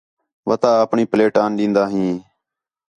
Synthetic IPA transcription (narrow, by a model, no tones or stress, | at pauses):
ʋət̪aːəpɳiːpleːʈaːnɗĩːnd̪aːɦĩː